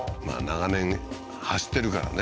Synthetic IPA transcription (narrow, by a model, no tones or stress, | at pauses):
ma̰ːnaɣanẽ̞ŋ | haɕi̥t̪ːe̞ɾɯ̟kaɾa̰ne